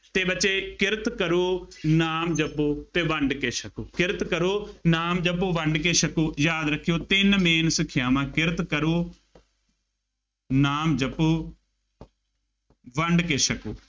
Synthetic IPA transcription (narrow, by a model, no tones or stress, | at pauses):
t̪eːbəːt͡ʃeːkɪɾt̪kəɾoːnaːmd͡ʒəpuːt̪eːʋəɳɖkeːʃəkoːkɪɾt̪kəɾoːnaːmd͡ʒəpoːʋəɳɖkeːʃəkoːjaːd̪ɾəkʰːijoːt̪ɪnmeːnsəkʰːjaːmãːkɪɾt̪kəɾoː | naːmd͡ʒəpːoː | ʋəɳɖkeːʃəkoː